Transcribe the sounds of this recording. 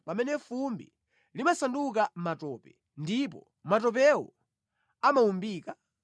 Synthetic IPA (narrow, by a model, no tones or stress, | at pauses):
pamɛnɛfumbḭ | limasanduk̬amatɔːpɛ | ndip̬ɔ | mat̬ɔp̬ɛwɔ̰ | amaumbiːka